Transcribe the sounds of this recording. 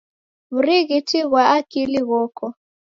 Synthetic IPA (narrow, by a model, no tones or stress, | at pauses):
βuriɣitʰiɣwaakiliɣɔːkɔ